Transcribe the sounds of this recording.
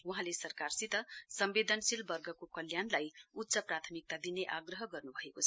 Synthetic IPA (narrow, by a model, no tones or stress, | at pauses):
wuɦãlesʌrkarsit̪ʌsʌmbed̪ʱʌnsilbʌrɡʌkokʌljanlajut̪ːsʌprat̪ʰʌmik̚t̪ad̪ineʔaɡrʌɦʌɡʌrnubʱʌekot͡sʰ